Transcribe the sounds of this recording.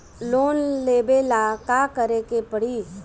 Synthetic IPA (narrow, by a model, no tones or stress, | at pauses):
loːnleːbeːlakakəɾekepəɽiː